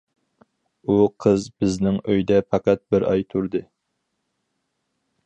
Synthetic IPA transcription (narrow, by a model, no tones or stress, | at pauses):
uqʰəzbɪznɪŋøjd̪ɛpʰɑqɑt̪̚bɪɾɑ̰jt̪ʰuɾd̪ɨ